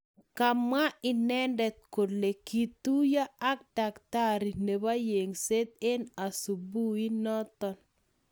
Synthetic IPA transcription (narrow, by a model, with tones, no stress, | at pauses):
ka˨ma˦ɪ˨nɛ˦ndɛ˨t̪̚ko˨le˨ki˨t̪u˦ja˦a˦k̚da˨kt̪a˦ɾi˨ne˨ba˦je˨ŋse˦t̪e˦na˨su˨bu˦i˦nɔ˦t̪ɔ˦n